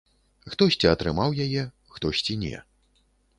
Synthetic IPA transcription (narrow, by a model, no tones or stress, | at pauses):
xt̪ɔsʲt͡sʲiɐt̪ɾɨmawjajɛ | xt̪ɔsʲt͡sʲinʲɛ̰